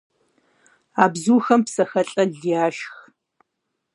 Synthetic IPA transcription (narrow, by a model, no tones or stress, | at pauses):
aːbzuːxɐmpsɐxɐɬʼɐɮjaːʃx